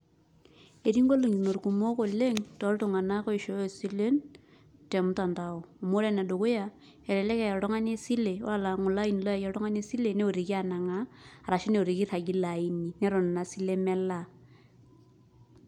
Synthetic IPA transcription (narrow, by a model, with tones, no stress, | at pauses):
e˨ɾi˦ŋɡo˦lo˨ŋi˨no˨ɾku˨mo˦ko˨le˦ŋtɔ˨˦ɾtu˨ŋa˨na˦kɔ˦i˨ʃo˨˦o˨si˦le˦n | tɛ˨m˦ta˨nta˨o˨mo˦ɾe˦na˨do˨ku˦ja˦ | ɛ˨ɾɛ˨lɛ˦ke˨jɛ˨ɾɔ˦ŋa˦ne˦si˦le˨wa˦˨la˨ŋʊ˨la˦i˨n˨lɔ˦ja˨jɛ˨ɾɔ˦ŋa˦ne˦si˦le˨ne˦o˨ɾi˨ki˦a˨na˨ŋaː˦˨ɾa˨ʃi˦ne˨o˨ɾi˨ki˦ɾa˨ɡi˦la˨i˦ni˨nɛ˦ɾo˨n˨na˨si˦le˦mɛ˦la˦